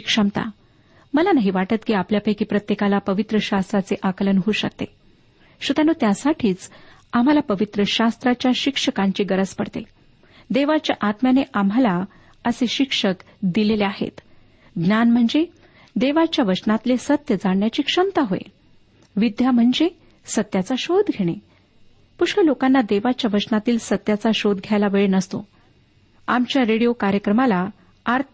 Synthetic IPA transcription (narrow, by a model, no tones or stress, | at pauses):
kʂəmt̪a̰ | məlanaɦiʋaʈət̪kiːapljapəjkiːpɾət̪jekalapəʋit̪ɾəɕast̪ɾat͡seʔakələnɦuːɕə̰k̚t̪ḛ | ɕut̪januːt̪jasaʈʰiːt͡s | am̤alapəʋit̪ɾəɕast̪ɾat͡ɕjaɕikʂəkãɲt͡ɕiːɡəɾəd͡zpəɽt̪e | d̪eʋat͡ɕjaʔat̪mjaneʔam̤ala | əseɕikʂək | d̪ileleaɦḛt̪ | ɡnjanm̤əɳd͡ze | d̪eʋat͡ɕjaʋət͡ɕnat̪lesət̪jəd͡zaɳɳjat͡ɕiːkʂəmt̪aɦoḛ | ʋid̪jam̤əɳd͡ze | sət̪ːjat͡saɕod̪ɡʱeɽ̃e | puʂkəlokanːad̪eʋat͡ɕjaʋət͡ɕnat̪iːlsət̪ːjat͡saɕod̪ɡʱjajlaʋeɭenəst̪o̰ | amt͡ɕjaɾeɽijokaɾjəkɾəmala | aɾt̪ʰ